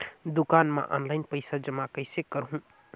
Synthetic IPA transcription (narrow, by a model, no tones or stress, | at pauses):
d̪ukanma̰ʔɔ̰nlaɪnpəɪsad͡ʒəmakəɪsekəɾɦũ